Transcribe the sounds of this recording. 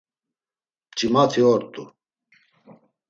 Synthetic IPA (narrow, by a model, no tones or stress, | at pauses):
t͡ʃʼimat̪ʰiɔɾt̪ʼu